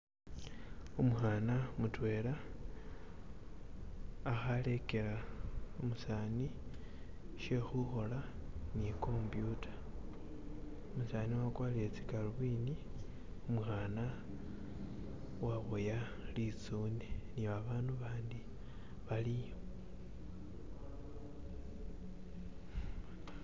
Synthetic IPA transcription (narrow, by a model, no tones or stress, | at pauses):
omuxaːnamutwe̞ːɾa | xale̞ke̞ɾaomusaːni | ʃe̞xuxo̞laniko̞mbjutʰḁ | omusaniwakwaliet͡si̥kaluβwiːni | umxaːna | waβoja | lit͡suːneniβaβaːnduβaːndi | βalijo